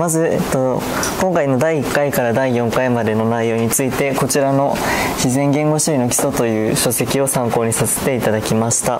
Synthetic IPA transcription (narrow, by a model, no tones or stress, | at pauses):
mazɨet̪ːo | kõ̞ŋkaino̞d̪aiːkːaikaɾad̪aijõ̞ŋkaimad̪e̞no̞naijo̞ːɲ̟it͡sɨit̪e̞ko̞t͡ɕiɾano̞çizẽ̞ŋɡẽ̞ŋɡo̞ɕoino̞kʲi̥so̞t̪o̞jɯ̟ːɕo̞se̞kʲio̞sãŋko̞ːɲ̟isase̞̥t̪e̞it̪ad̪akʲimaɕi̥t̪a